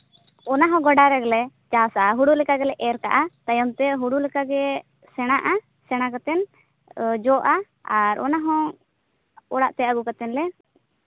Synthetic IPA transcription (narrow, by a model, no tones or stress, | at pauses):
ɔnaɦɔ̃ɡɔɖaɾɛɡlɛt͡ʃasaɦuɽulɛkaɡɛlɛʔɛɾka̰ʔat̪ajɔmt̪ɛɦuɽulɛkaɡɛ | sɛɽ̃aʔa | sɛɽ̃akat̪ɛn | d͡ʒɔʔa | aɾɔ̰naɦɔ̃ | ɔɽaʔt̪ɛaɡukat̪ɛnlɛ